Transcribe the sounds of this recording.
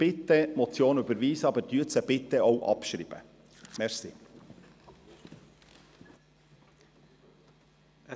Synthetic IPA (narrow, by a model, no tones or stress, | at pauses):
b̥ɪt̪əmɔt͡sjoːnybəɾʋiːsəɑbəd̥yːəsəb̥ɪt̪ːəʔoʊʔɑ̰pʃɾḭːb̥ə̰ | mɛɾsḭː